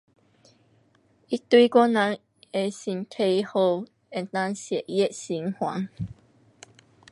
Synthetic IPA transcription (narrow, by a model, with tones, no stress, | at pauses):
i˦t̪wi˦kwɔ˥˦nã˨˦ŋ | e˨˩si˨˩ntʰe˧jho˧˨ | e˧nt̪ã˦˧ŋsjɛ˨ʔjɛ˦si˨˦ŋhwa˨˦ŋ